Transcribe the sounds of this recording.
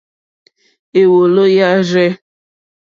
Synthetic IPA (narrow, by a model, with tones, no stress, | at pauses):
e˨wo˨lo˦ja˦ɾɛ˦